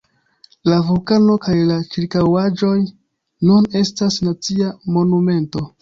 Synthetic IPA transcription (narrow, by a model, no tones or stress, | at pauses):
lavukano̞kajlat͡ʃiɾkawad͡ʒo̞j | nune̞stasnat͡siamo̞nume̞nto̞